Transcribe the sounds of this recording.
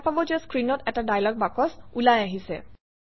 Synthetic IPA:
pabɔzɛskɹinɔtɛtadajlɔk̚bakɔsulajaɦisɛ̰

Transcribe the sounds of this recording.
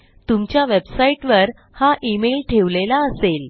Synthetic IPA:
t̪umt͡ɕjaʋebsaiʈʋəɾ | haʔimelʈʰeʋlelaəsel

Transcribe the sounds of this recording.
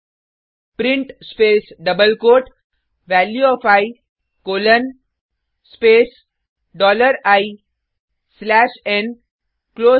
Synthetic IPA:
pɾɪ̃ɳʈspeːsɖʌbəlkoːʈ | ʋæljuɔfaɪ | koːlə̃n | speːs | ɖɔːləɾaɪ | slæːʃẽn | kloː

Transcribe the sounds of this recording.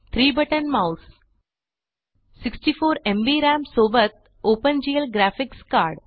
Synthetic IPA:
t̪ʰɾiːbəʈənmaws | siksʈifoːɾẽmbiɾæ̃msobət̪̚ | opənd͡ʑiːəlɡɾæfikskaɾɖ

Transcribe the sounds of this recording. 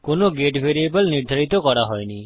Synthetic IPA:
konoɡeʈʋeɾiebəlniɾd̪ʱaɾit̪okɔɾaɦɔjni

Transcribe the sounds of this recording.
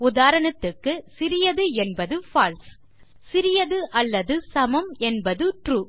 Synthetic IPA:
ʊðaːɾɐɳɐt̪ːɯrkːɯsɪɾɪjɐðɯɛnbɐðɯfaːls | sɪɾɪjɐðɯʔɐlːɐðɯsɐmɐmɛnbɐðɯʈruː

